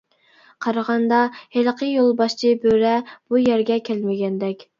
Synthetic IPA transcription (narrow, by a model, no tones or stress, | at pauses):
qʰɑɾɑʁɑnd̪ɑhelqʰəjolˠbɑʃt͡ʃʰibøɾɛb̥ujæɾɡʲɛkʲʰælmɪɡʲɛnd̪ɛkʲ